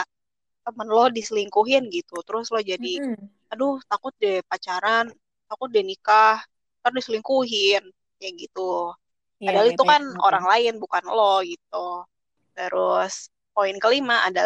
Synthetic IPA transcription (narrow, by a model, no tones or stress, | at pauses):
a | t̪əmənlɔdisəliŋkuɦɪnɡit̪ut̪əɾʊslɔhd͡ʒadi | adʊht̪akʊt̪̚dɛpat͡ʃaɾan | t̪akʊt̪̚dɛnikah | k̪aɾdisəliŋkuɦɪn | jaɡit̪u | adalit̪ukano̰ɾaŋlaɪnbukanlɔhɡit̪̚u | t̪əɾʊs | poɪnkəlimaa̰da